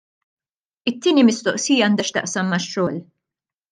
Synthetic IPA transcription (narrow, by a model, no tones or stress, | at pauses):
ɪt̪ːiːnimɪst̪ɔʔsiːjɐɐnd̪ɐʃt̪ɐ̰ʔsɐmːɐʃːɔːl